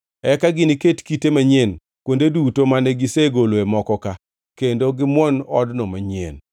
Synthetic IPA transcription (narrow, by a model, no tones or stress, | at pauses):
ɛkaɡɪniketkitemaɲen | kwondedutomanɛɡɪseɡoloemɔkɔka | kendoɡɪmwɔnɔdnɔmaɲḛn